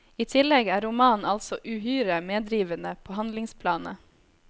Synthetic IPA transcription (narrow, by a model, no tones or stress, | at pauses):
iːt̪ʰɪlɛɡæːɾʊmɑːnɑlsɔʔʉːhyːɾəmeːd̪ɾiːʋənəpʰoːhɑnd̪lɪŋspʰlɑːnə̰